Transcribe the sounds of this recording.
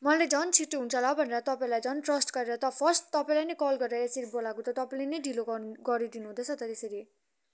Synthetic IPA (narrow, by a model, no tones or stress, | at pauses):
mʌled͡zʌnt͡sʰiʈːoɦunt͡sʰʌlʌbʱʌneɾʌt̪ʌpaĩlajd͡zʌnʈrʌsʈɡʌɾeɾʌt̪ʌpʰʌsʈt̪ʌpaĩlajnʌjkʌlɡʌɾd̪aeseɾibolakot̪ʌt̪ʌpaĩlenʌjɖiloɡʌɾid̪inuɦũd̪ʌt͡sʰʌt̪ʌt̪eseɾi